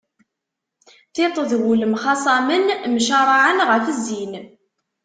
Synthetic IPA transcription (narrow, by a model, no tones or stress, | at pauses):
θɪt̪ˤəðwuləmχɑsˤɑmənmʃɑɾˤɑʕənʁəfəzːin